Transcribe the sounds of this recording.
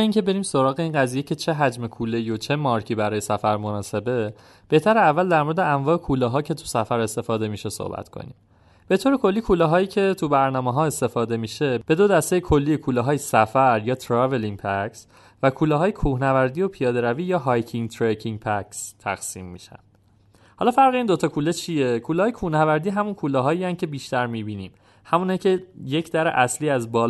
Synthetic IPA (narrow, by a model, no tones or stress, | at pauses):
iŋcʰe̞be̞ɾiːmso̞ɾɒːɣe̞iːnɢæzije̞cʰe̞t͡ʃʰeɦæd͡ʒme̞kʰuːlejjo̞t͡ʃʰe̞mɒːɾcʰiːbæɾɒːje̞sæfæɾmo̞nɒːse̞be̞ | b̥e̞ht̪ʰæɾeævːæld̪æɾmo̞ɾed̪eæɱvɒːekʰuːlɒːɦɒːcʰe̞t̪ʰu̥sæfæɾe̞st̪e̞fɒːd̪e̞miːʃe̞so̰hbæ̰t̪kʰo̞̰nḭːm | b̥e̞t̪ʰoːɾe̞kʰo̞lːiːkʰuːlɛɦɒːjiːcʰe̞t̪ʰubæɾnɒːmeɦɒːe̞st̪e̞fɒːd̪e̞miːʃe̞b̥e̞d̪o̞d̪æst̪e̞jekʰo̞lːiːjekʰuːlɛɦɒːjesæfæɾjɒːt̪ʰɾɒve̞liŋpʰæks | vækʰuːlɛɦɒːjekʰuːhnævæɾd̪ijo̞pʰijɒːd̪e̞ɾæviːjɒːɦɒjcʰiŋt̪ʰɾecʰiŋpʰækst̪ʰæ̰ɣsiːmːḭːʃæ̰nd̪̥ | hɒːlɒːfæɾɣeiːnd̪o̞t̪ʰɒːkʰuːlet͡ʃʰie̞kʰuːlɛːɒːjekʰuhnævæɾd̪iːɦæmunkʰuːlɒɦɒːiːæn̚cʰe̞biːʃt̪æɾmiːbiːniːm | hæmunecʰeje̞cʰd̪æɾḛʔæsliːæzbɒːl